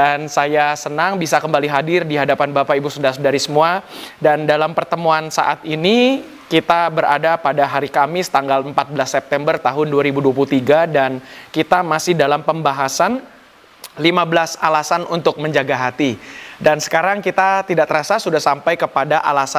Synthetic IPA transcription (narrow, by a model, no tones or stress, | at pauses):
dansajasənaŋbisakəmbaliɦadɪrdiɦadapanbapaibusudahsudaɾisəmuadandalampərt̪əmuansa̰ʔat̪ini | kit̪abəɾa̰dapadaɦaɾikamɪst̪aŋɡaləmpat̪̚bəlasːɛp̚t̪ɛmbərt̪aɦʊnduaɾibuduap̬ulut̪iɡadankit̪amasɪhdalampəmbaɦasan | limabəlasalasanunt̪ʊk̚məɲd͡ʒaɡaɦat̪idansə̥kaɾaŋkit̪at̪idaʔt̪əɾasasudahsampajkəpadaʔalasa